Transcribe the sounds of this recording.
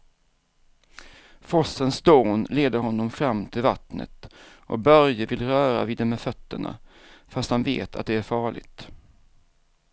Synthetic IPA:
fɔsənsd̪oːnleːd̪əɾɦɔnːɔmfɾamːt̪ʰɪlvat̪nə̰t̪ʔɔk̚bœɾjəvɪlɾœːɾa̰vɪːd̪ɛmɛfœt̪ːəɳa̰ | fast̪hanvḛːt̪ʰa̰t̪̚d̪ɛæɾfɑːɭɪ̰ɡt̪

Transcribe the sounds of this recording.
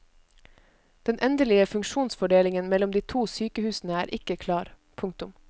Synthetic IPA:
d̪̥ɛnʔɛnd̪əlɪəfʉŋʃuːnsfɔɖeːlɪŋənmɛlɔmd̪iːt̪ʰuːsyːkəhʉːsn̩əæːɾʔɪkəkʰlɑːɾ | pʰʊŋk̚t̪ʊm

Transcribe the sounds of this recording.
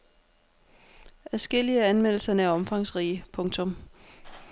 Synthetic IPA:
æsɡ̥el̰iəæænmel̰l̩sɐnəæɐɒ̽mfɑ̈ŋsʁiːəpʰɔ̽ŋt͡sʰɔ̽m

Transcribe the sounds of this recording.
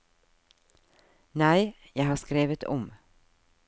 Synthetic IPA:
næɪ | jæɪhɑːskɾeːʋət̪ʰɔ̰m

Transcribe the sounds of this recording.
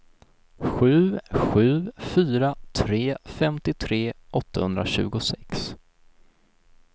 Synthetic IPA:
ɧʉ̟ːɧʉ̟ːfyːɾat̪ʰɾeːfɛmt̪ɪt̪ʰɾeːʔɔt̪ːahɵnd̪ɾaɕʉ̟̰ːɡʊsɛks

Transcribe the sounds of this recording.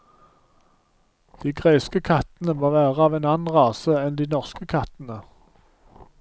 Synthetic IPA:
d̪̥iːɡʁeɪskəkʰɑt̪n̩əmoːʋæːʁəɑːʋeːnɑnn̩ʁɑːsəɛnd̪iːnɔʁskəkʰɑt̪nə

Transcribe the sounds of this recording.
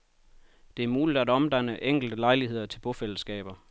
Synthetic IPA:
d̥e̝æɐmuːlid̥æd̥ɒ̽md̥æn̰əʔeŋ̰ɡ̥l̩d̥əlɑ̈ɪliɦe̝ð̞̰ˠɐt͡sʰe̝lb̥ɔfel̰əsɡ̥ɛ̰ːb̥ɐ

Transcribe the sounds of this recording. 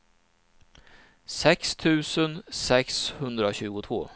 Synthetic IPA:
sɛkst̪ʰʉ̟ːsənsɛkshɵnd̪ɾaɕʉ̟ːɡʊt̪ʰvo̰ː

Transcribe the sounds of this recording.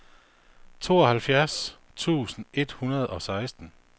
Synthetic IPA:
t͡sʰo̝̰ːɒ̽hælfjæɐs | t͡sʰṵːsn̩e̝d̥hunɐð̞̩ˠɒ̽sɑ̈ɪsd̥n̩

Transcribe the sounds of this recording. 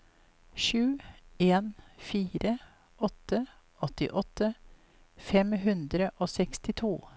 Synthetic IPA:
ʃʉːeːnfiːɾə | ʔɔt̪ə | ɔt̪ɪ̰ʔɔt̪ə | fɛmɦʉnd̪ɾəʔoːsɛkst̪ɪt̪ʰuː

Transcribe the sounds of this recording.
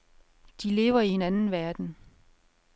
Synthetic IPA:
d̥ile̝ːʊɐie̝nænn̩ʋæɐd̥n̩

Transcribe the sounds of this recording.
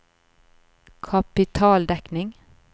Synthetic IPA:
kʰapɪt̪ʰɑːld̪ɛknɪŋ

